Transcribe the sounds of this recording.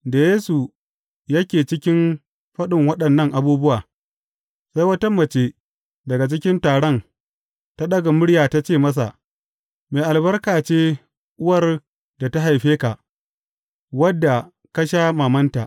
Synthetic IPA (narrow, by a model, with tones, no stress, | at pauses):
da˨jeː˦su˨ | jɐ˦kʲeː˨t͡ʃɪ˦kʲɪ˦m | ɸɐ˦ɗɪ˨ŋwɐ˦ɗɐ˨nːɐ˦ŋʔa˨buː˦bʊ˦waː˨ | sa˦jwɐ˦tɐ˦mːɐ˨t͡ʃeː˦ | dɐ˨ɡa˨t͡ʃɪ˦kʲɪ˦ntaː˨ɽɔ˦n | ta˦ɗɐ˦ɡa˨mʊ˦ɽjaː˨ta˦t͡ʃeː˦˨mɐ˦s̬a̰˨ʔ | meː˨ʔa˨lbɐ˦rkaː˨t͡ʃeː˦ | ʔʊ˦wɐ˦˨r | da˨ta˦ɦa˨jɸeː˦ka˨ʔ | wɐ˦dːa˨ | kɐ˦ʃaː˦maː˨mɐ˦nta̰˨ʔ